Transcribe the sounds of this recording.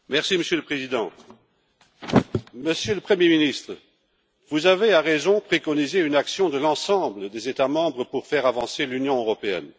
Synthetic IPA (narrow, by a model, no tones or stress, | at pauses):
mɛʁsiməsjøləpχezid̪ɑ̃ | məsjøləpχəmjeminist̪χə | vuzaveaʁezɔ̃pχekɔnizeynaksjɔ̃d̪əlɑ̃sɑ̃bləd̪ezet̪amɑ̃bʁəpuʁfɛʁavɑ̃selynjɔ̃øʁɔpeɛ̰n